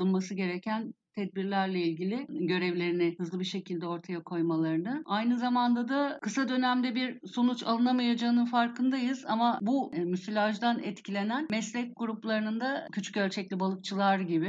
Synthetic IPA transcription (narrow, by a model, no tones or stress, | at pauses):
ɯnmasɯɟe̞ɾɛcʰænt̪ʰɛd̪̚biɾlʲæɾlʲɛilʲɟʲilʲɪɟø̞ɾɛvlʲe̞ɾinɪhɯzlˠɯbiɾʃe̞cʰilʲd̪ɛo̞ɾt̪ʰajakʰo̞jmalˠaɾɯnɯajnɯzamand̪ad̪akʰɯsad̪ø̞næmd̪ɛbiɾsonut͡ʃa̰lˠɯnamajad͡ʒaɯnɯnfaɾkʰɯnd̪ajɯz̥amabumysylʲaʒd̪anɛ̰t̪cʰilʲenænmɛslʲɛc̚ɡuɾuplˠaɾɯnɯnd̪acʰyt͡ʃʰy̥cølʲt͡ʃʰɛclʲibalˠɯk̚t͡ʃʰɯlˠaɾɟibi